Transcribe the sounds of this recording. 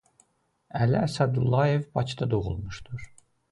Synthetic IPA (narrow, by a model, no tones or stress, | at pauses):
ælæːsæd̪ulˠːɑje̞vbɑcʰid̪ɑd̪o̞ʁṵlˠmuʃd̪uɾ̥